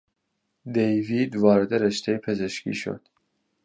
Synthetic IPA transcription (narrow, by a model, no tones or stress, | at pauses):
d̪ejviːd̪vɒːɾed̪eɾeʃt̪ʰejpʰezeʃcḭːʃo̰d̪̥